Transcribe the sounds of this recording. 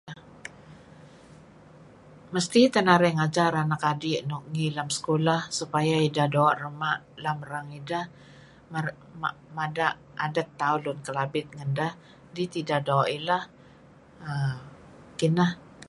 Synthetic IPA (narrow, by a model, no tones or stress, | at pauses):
a | məst̪it̪ənaɾɛŋad͡ʒaɾanakadiʔnɔʔ̚ŋilamsə̥kolahsupajaidahdoaʔrəmaʔ | laməɾaŋidah | ma | mamadaʔ | adət̪ːaulʊnkəlabɪt̪̚ŋəndah | dit̪idaʔdoaʔilah | ə | kinah